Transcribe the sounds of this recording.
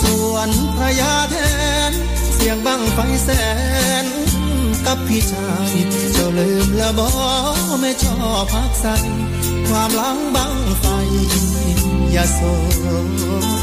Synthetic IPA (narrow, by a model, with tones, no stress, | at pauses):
su˧˩ənpʰɾa˧jaː˧˥p̪ʰɛ˧ | n | si˧˩əŋba˧˩ŋpa˧jsɛː˧˩ | n | ka˧˦˥pʰːi˧t͡ɕʰa˧˩j | t͡ɕa˧˩lɯ˧˩mlɛː˧˩wbɔː˧˦ | ma˧jt͡ɕʰɔː˧˩ | pʰa˧˩k̚sa˧˥n | kʰwaː˧mla˧˦˥ŋba˧˥˩ŋŋpa˧jʔi˧ŋ | i˧˩njaː˧˩so˧˩